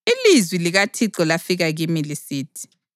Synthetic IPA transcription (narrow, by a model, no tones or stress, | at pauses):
ilizwiliɣatʰiǁɔlafiɣaɣimilisiːtʰi̥